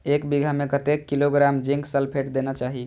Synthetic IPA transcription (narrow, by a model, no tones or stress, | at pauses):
ekbiɡʱamekət̪ekːiloɡɾamd͡ʒiŋɡsəlpʰeʈd̪enat͡ʃaɦi